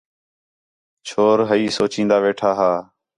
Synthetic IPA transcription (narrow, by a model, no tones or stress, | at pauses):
t͡ʃʰoːɾɦəiːsoːt͡ʃĩːnd̪aːʋeːʈʰaːɦaː